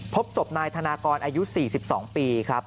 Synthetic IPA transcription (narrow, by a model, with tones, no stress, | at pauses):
pʰo˦˥p̚so˨˩p̚naː˧jt̪ʰa˧naː˧kɔː˧nʔaː˧ju˦˥siː˨˩si˨˩p̚sɔ̰ː˩˦ŋpiː˧kʰɾa˦˥p̚